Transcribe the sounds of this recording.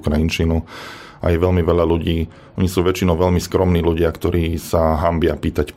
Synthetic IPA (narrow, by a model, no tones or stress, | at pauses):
kɾajint͡ʃinu | a̰jɛʋɛlmiʋɛʎaluɟiː | ʔɔɲisuːʋɛt͡ʃinɔʊʋɛʎmiskɾɔmniːluɟɪakt̪ɔɾiːsaɦambɪapiːt̪ac